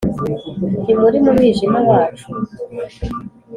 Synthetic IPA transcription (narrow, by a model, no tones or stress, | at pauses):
timuɾimumiʒimaβaːt͡ʃu̥